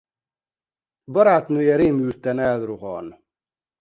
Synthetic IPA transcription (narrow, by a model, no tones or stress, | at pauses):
bɔɾaːt̪nøjɛɾeːmyːɾt̪ɛnɛlɾuʁɔ̰ːn